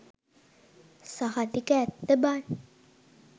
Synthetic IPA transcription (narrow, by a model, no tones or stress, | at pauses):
sahat̪ikəːt̪ːəbaːn